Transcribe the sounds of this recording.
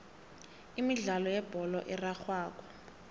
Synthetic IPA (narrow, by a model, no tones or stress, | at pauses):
imiɮalɔjɛb̥ʱɔlɔ̰ʔɛraxwaːk̬ɔ̥